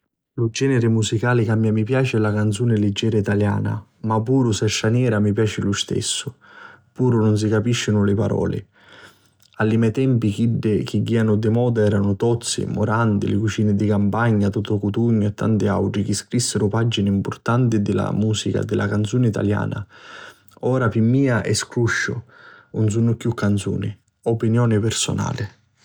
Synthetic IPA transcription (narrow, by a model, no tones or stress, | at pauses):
lud͡ʒɛːnɪɾɪmusikaːlɪkamːjamːipjaːt͡ʃɪɛlakant̪suːnɪlɪd͡ʒːɛːɾait̪alja̰ːna̰mapːuːɾʊsɛʃːanjɛːɾamipjaːt͡ʃɪlust̪ɛ̰sːʊpuːɾʊnʊns̬ikapiʃːɪnʊlɪpaɾɔ̰ːlɪ̰ | alːimɛt̪ɛmpik̟iɖːɪk̟iɡːiːanʊd̪ɪmɔːd̪aɛːɾanʊt̪ɔt̪sːɪ̰mʊ̰ɾant̪ɪ̰lɪkut͡ʃiːnɪd̪ɪkampaɲːat̪ut̪ʊkut̪uɲːʊɛt̪ːa̰nt̪ɪa̰wʈɾik̟iskɾisːɪɾʊpad͡ʒːinɪimpʊɾt̪ant̪ɪd̪ɪla̰muːsika̰d̪ːɪlakant̪suːnɪit̪a̰lja̰ːna̰ | ɔːɾapimːiːaʔɛ̰skɾuʃːʊ̰ʊns̬unːʊkjukːant̪sṵːnɪ | opinjɔːnɪpɪɾsʊ̰na̰ːlɪ